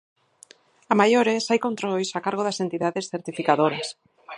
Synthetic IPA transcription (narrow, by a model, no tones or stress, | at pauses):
amajoɾesajkont̪ɾojsakaɾɣ̞oðasent̪iðaðesθeɾt̪ifikaðoɾas